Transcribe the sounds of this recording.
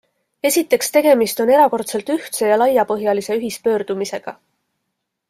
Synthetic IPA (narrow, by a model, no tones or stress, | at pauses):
e̞sʲit̪ːˑe̞kst̪e̞ɡ̥e̞mist̪o̞ne̞ɾɑko̞rt̪se̞lt̪yht̪se̞jɑlɑjːɑpɤɦjɑlise̞yɦispø̞ːɾd̪̥umise̞ɡ̥ɑ̰